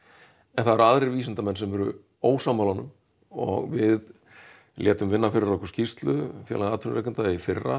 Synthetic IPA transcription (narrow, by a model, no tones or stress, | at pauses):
ɛnθaðɛɾaðɾɪɾviːsɪnt̪amɛnsɛmvɛɾʏ̰ | oːwsaːmalanʏm | ɔ̰ɣvɪð | ljɛːt̪ʏmvɪnːafɪɾɪɾɔkɔɾ̥scist̪lʏfjɛ̰ːlaaːt̪ʰʏɾnɾɛːkʏnt̪aifɪrːa